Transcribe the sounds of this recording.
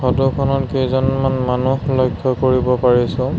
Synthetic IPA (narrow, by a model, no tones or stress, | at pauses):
xɔdukʰɔnɔtkejzɔnmanmanuhlɔjkʰːɔkoɹibɔpaɹisʊ̃